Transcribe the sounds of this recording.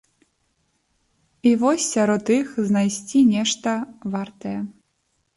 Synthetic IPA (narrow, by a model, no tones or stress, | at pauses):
ivɔsʲːaɾɔt̪ixznajsʲt͡sʲinʲɛʂt̪ɐvart̪ɐjɛ